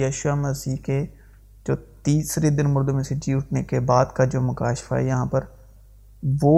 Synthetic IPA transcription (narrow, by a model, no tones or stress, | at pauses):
əːʃʊaːməsiːke | d͡ʒoːt̪iːsɾed̪ɪnmʊɾd̪omẽsed͡ʒiːʊʈʰnekebaːd̪kad͡ʒoːmʊkaːʃɪ̥fa̰ːɛ̰jɐɦãːpəɾ | ʋoː